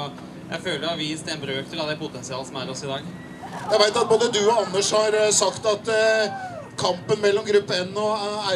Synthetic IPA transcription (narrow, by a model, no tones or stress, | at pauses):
jæ̰ɪføːləɾɑɾʋiːst̪ɛnbɾøːkt̪ʰɪlɑd̪ɛpʰʊt̪ʰɛnsɪɑːləsɔmæɾɔsɪd̪ɑːɡ | jæɪʋæɪt̪ɑt̪̚boːd̪əd̪ʉɔɑnːəʂhɑɾsɑkt̪ɑt̪ | kʰɑmpənmɛlːɔmɡɾʉpːəɛnːɔæ